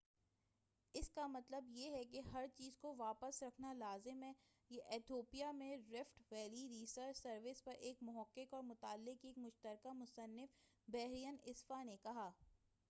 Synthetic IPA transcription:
ɪskamɐt̪ləbjeɦɛkeɦɐɾt͡ʃiːzkoʋaːpəsɾɐkʰnalaːzɪmɦɛː | jeʔɛt̪ʰoːpijamẽɾɪfʈʋɛːliɾiːsəɾt͡ʃsɐɾʋɪspɐɾʔeːkmʊɦəqːɪkɔːɾmʊt̪aːlːɪkeːkmʊʃt̪əɾkamʊsənːɪf | bɛːɦɾijənɪsfanekɐɦaː

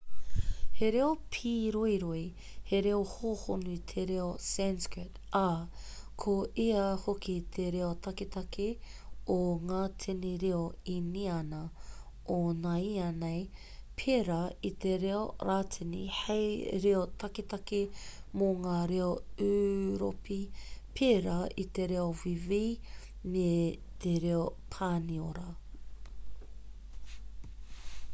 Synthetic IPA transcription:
heɾeopʰiːɾoiɾoi | heɾeohohonuit̪ʰeɾeosɛnskɹɪt | a | kʰoiɐhokit̪ʰeɾeot̪ʰɐket̪ɐkʰeoŋaːt̪ʰeniɾeoiniɐnɐ | onaiɐnej | pʰeɾait̪eɾeoɾaːtʰinḭhejɾeot̪ɐket̪ɐkemoŋaːɾeoʉːɾo̰pipʰeɾait̪eɾeovivi | met̪eɾeopʰaːnioɾɐ

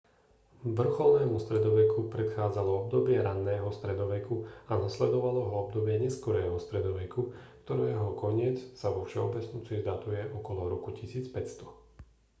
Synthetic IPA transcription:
ʋr̩xɔlˠnɛːmust̪ɾɛd̪ɔʋɛkupɾɛt̪xaːd͡zalɔɔb̚d̪ɔbɪɛɾanːɛːɦɔst̪ɾɛd̪ɔʋɛkuanaslɛd̪ɔʋalɔɦɔɔb̚d̪ɔbɪɛɲɛskɔɾɛːɦɔst̪ɾɛd̪ɔʋɛkukt̪ɔɾɛːɦɔkʰɔɲɪɛt͡ssaʋɔfʃɛɔbɛd͡znut͡sizd̪at̪ujɛʔɔkɔlɔɾɔkucisiːt͡spɛcst̪ɔ̥

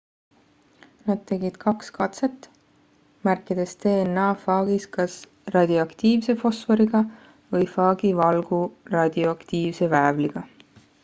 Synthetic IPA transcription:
nɑd̪̥̚t̪e̞ɡid̪̥kʰɑkskɑt̪se̞t̪ːˑ | mærkːˑid̪̥e̞st̪e̞ːnːɑːfɑːɡ̥iskɑs | rɑd̪̥ʲioɑkt̪iːvse̞fo̞sfe̞ɾiɡ̥ɑ | vɤjfɑːɡ̥ivɑlɡ̥urɑd̪̥ioɑkt̪iːvse̞væevliɡ̥ɑ

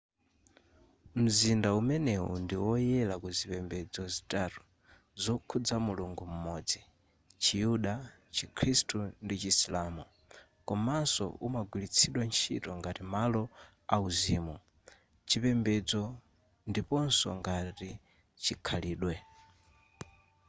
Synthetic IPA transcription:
m̩zindaumɛnɛṵndiwɔjɛlakuzipɛmbɛd͡zɔzitatu̥ | zɔkʰud͡zamuluŋɡum̩mɔd͡zi | t͡ʃijuɗa | t͡ʃikʰɾistundit͡ʃisilamu | kɔmasɔ̰umaɡwilit͡sʰiɗwant͡ʃʰḭtɔŋɡatimalɔ | auziːmu | t͡ʃʰipɛmbɛd͡zɔ | ndipɔnsɔ̰ŋɡati | t͡ʃʰikʰaliːɗwɛ

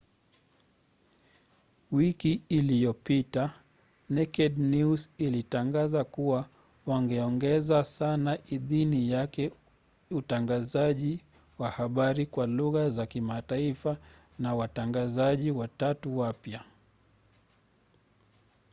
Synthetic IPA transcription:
wikiːlijɔpita | nɛkɛdnusilitaŋɡazakuwa | waŋɡɛɔŋɡɛzasanaʔiðinijakɛ | utaŋɡazaʄi | wahaɓaɾikwaluɣazakimataifa | nawataŋɡazaʄiwatatuwapja

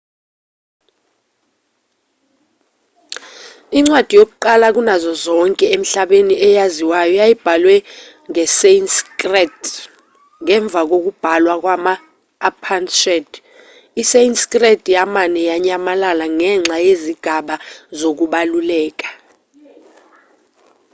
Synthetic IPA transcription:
iŋ͡ǀwad̥ʱijok̬uǃalak̬ʼunazɔzɔŋkʼɛem̩ɬaɓeniʔɛjaziwajɔjajib̥ʱalwɛ | ŋɛsenskʼrɛt | ŋɛɱb̪vʱak̬ok̬ub̥ʱalwak̬ʼwamaː | pʰanʃɛd | isenskʼrɛtʰʼjamanɛjaɲamalalaŋɛŋ͡ǁʱajeziɡ̥ʱaɓazok̬uɓalulɛːk̬ʼḁ

